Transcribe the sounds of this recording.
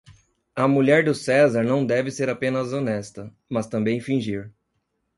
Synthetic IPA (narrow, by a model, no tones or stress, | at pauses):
ɐmuʎɛɾd̪ʊsɛzaɾnɐ̃w̃d̪ɛvɪseɾapẽnɐzonɛst̪ɐ | mɐst̪ɐ̃mbẽj̃fĩʒiɾ